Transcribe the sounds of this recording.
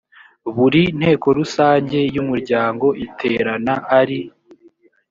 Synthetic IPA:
βuɾin̥he̞ːko̞ɾusaːɲɟe̞jumuɾɟaːŋɡo̞ʔitʰe̞ːɾanaʔːɾi

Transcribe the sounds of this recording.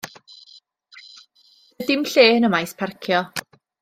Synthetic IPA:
dɪmɬeːnəmajspʰarkʰjɔ

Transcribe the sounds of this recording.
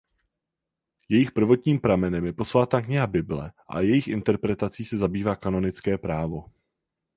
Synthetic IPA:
jɛjɪxpr̩vo̞t̪ɲiːmpɾamɛnɛmjɛpo̞svaːt̪aːkɲɛabɪblɛ̰ʔa̰jɛjɪxʔɪnt̪ɛɾpɾɛt̪at͡siːsɛzabiːvaːkano̞nɪt͡skɛːpɾaːvo̞

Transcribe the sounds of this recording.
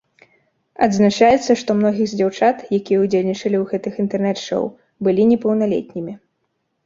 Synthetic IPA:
ɐd̪znat͡ʂajɛt̪sːɐʂt̪ɔmnɔɣʲiɣzʲd͡zʲawt͡ʂat̪jakʲijɛud͡zʲelʲnʲit͡ʂɐlʲiuɣɛt̪ɨxint̪ɛrnɛt̪ʂɐ̰w | bɨlʲinʲɛpɐwnalʲɛ̰t̪ʲnʲimʲi

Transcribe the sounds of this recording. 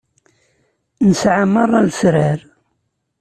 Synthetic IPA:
nəsʕamːərˤːɑlsɾəɾ

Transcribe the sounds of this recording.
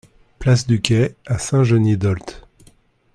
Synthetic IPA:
plas̬d̪ykʲɛasɛ̃ʒənid̪ɔlt̪

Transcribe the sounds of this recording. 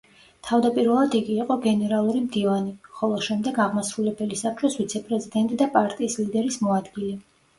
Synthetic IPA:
t̪ʰavd̪apʼiɾvɛlˠad̪iɡiːqʼɔɡɛnɛɾalˠuɾimd̪ivaniχɔlˠɔʃɛmd̪ɛɡaʁmasɾulɛbɛlisap̚ʰt͡ʃʼʰɔsvit̪sʰɛpʼɾɛzid̪ɛnt̪ʼid̪apʼaɾt̪ʼiːslid̪ɛɾismɔad̪ɡilɛ

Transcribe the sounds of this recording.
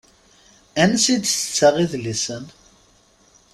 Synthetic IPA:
ænsid̪θə̥t͡sːaʁiðlisən

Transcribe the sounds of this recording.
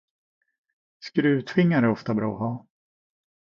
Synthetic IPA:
skɾʉ̟ːt̪ʰvɪŋːaɾɛɾɔft̪abɾɑ̰ːɔɦɑː

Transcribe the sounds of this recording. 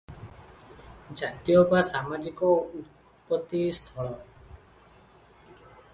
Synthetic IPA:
d͡ʒat̪jɔbasamad͡ʒikɔut̪ | pːɔt̪ːist̪ʰɔɭɔ

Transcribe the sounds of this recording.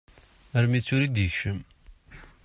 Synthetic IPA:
əɾmit͡sːʊɾid̪jəçʃəm

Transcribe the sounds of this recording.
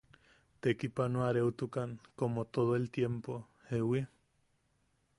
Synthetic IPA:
t̪ekipanoaɾeut̪ukaŋkomot̪oðoelt̪jempo | hewi

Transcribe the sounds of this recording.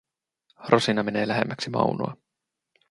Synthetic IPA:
rʔosinɑme̞ne̞ːlæɦemːæksimɑ̰wnoɑ̰

